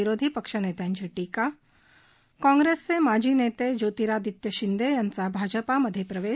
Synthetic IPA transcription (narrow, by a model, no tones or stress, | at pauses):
iɾod̪ʱipəkʂənet̪jãɲt͡ɕiʈiːka | kɔ̃ŋɡɾest͡semad͡ʑʱiːnet̪ed͡ʑot̪iɾad̪it̪jəɕind̪ejant͡sabʱad͡ʑəpaməd̪ʱːjepɾəʋe